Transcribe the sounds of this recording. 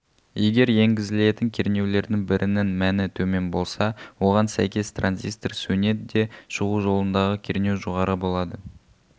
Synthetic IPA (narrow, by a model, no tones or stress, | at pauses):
je̞ɡʲe̞ɾje̞ŋɡʲɪzɪle̞t̪ɪŋkʲʰe̞ɾne̞wle̞ɾd̪ɪŋbɪɾʔɪnɪnmænɪt̪ʰɵme̞nbo̞lˠsɑwo̞ʁɑnsæ̰jkʲe̞st̪rʔanzist̪rsune̞t̪d̪e̞ʃəʁuʒo̞lˠənd̪ɑʁəkʲʰe̞ɾnʲe̞wʒoʁɑɾəbo̞lˠɑd̪ə